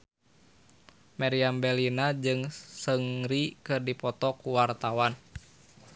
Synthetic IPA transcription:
maɾiambɛlinad͡ʒɨŋsəŋɾikɨrdipɔt̪ɔkuwart̪awan

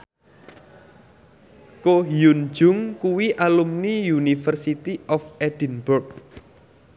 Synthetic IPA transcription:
koɦjun̥d͡ʒʊ̤ŋkuwiʔalumnijunifərsit̪iɔfed̥ənbʊrk̚

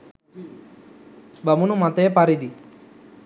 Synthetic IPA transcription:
bamunumat̪ɛpaɾid̪i

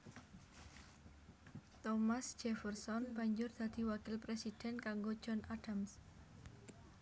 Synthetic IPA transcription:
t̪ɔmasd͡ʒ̥ɛfɛrsɔnb̥a̤ɲd͡ʒʊrd̪̥a̤d̪̥i̤wakɪlpɾesid̥ɛnkaŋɡo̥d͡ʒ̥ɔnʔaɖ̥ams

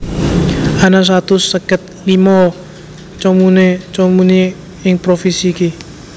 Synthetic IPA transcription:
anas̬at̪ʊsəkət̪̚limɔ | t͡ʃɔmunet͡ʃɔmune | ɪŋpɾofisiki

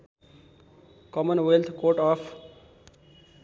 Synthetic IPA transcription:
kɔmənwelt̪ʰkoːɾʈɔːpʰ

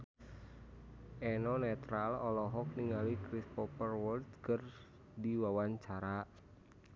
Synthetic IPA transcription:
ʔenɔnɛt̪ɾalɔlɔɦɔk̚niŋalikɾispɔpərwɔlt̪kər | diwawaɲt͡ʃaɾa

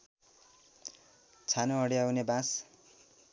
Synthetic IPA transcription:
t͡sʰanoʌɽiawnebãs

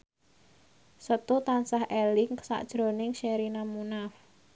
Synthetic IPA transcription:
sət̪ut̪ansahelɪŋksa̰ʔd̥ʒ̥ɾo̤nɪŋʃɛɾinamunaf

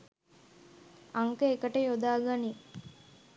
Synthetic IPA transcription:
aŋkeekəʈəjod̪aːɡani

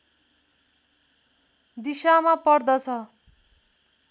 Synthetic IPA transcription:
d̪isamapʌrd̪ʌt͡sʰʌ

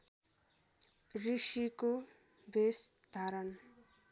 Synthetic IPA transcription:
risiko | besd̪ʱaɾʌn

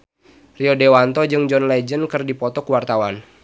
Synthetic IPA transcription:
riɔdewant̪ɔd͡ʒɨŋd͡ʒɔnlɛd͡ʒənkɨrdipɔt̪ɔkuwart̪awan

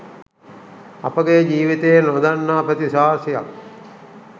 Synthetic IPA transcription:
ɐ̰pəɡed͡ʒiːʋit̪eenod̪anːaːpət̪isaːsija̰k

